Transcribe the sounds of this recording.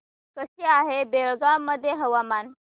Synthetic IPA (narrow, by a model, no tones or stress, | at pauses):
kəɕeaɦebeɭɡamːəd̪ʱːjeɦəʋaman